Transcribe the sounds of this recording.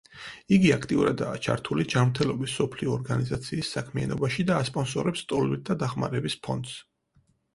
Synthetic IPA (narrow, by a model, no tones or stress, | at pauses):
iɡiakʰt̪ʼiuɾad̪aːt͡ʃʰa̰ɾt̪ʰulid͡ʒanmɾt̪ʰɛlˠɔbisːɔpʰliɔːɾɡanizat̪sʰiːsːakʰmia̰nɔbaʃid̪aːspʼɔnsɔɾɛpst̪ʼɔlvit̪̚d̪ad̪aχma̰ɾɛbispʰɔ̰nd̪s